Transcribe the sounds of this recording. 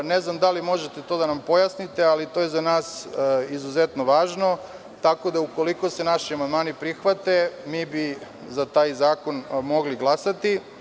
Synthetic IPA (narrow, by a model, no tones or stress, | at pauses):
neznamd̪alimo̞ʒet̪et̪o̞d̪anampo̞jasnit̪e̞alit̪o̞ːjezanaːsizuzet̪no̞ʋaːʒno̞ | t̪ako̞d̪auko̞liko̞se̞naʃiamand̪maːnipɾixʋat̪e̞miːbi | zat̪aːjzaːko̞nmoɡliɡlˠasat̪i